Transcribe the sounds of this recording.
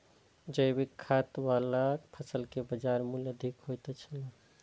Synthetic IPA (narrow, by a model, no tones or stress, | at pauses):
d͡ʒəjbikʰːat̪walapʰəsəlkebəd͡ʒaɾmuljəd̪ʱikɦojt̪et͡ʃʰələ̃